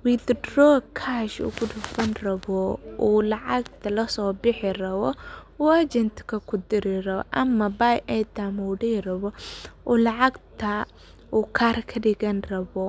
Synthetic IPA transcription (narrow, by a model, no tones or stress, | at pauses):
wid̪drɔːkʰaːʃʊ̰ɡʊdʊbɐnrɐβɔʔuːlɐʕɑɡt̪ʰɐlɐsɔːbɪħɪrɐβɔwad͡ʒɛnt̪ʰkʰɐkʰʊd̪ɪɾɪrɐ̰ʔɐmːɐbajɛd̪amuːɖɛrɐβɔʔɔːlɐʕɑɡt̪ʰɐ | uːkʰaːrkʰɐɖɪɣɐnrɐβɔ